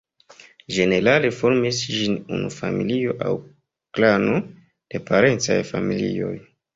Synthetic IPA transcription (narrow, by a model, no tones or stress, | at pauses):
ʒe̞ne̞ɾalefo̞ɾmisd͡ʒinunufamilio̞ʔa̰w | klano | d̥e̞pʰaɾe̞nt͡sa̰jfamilḭo̞̰j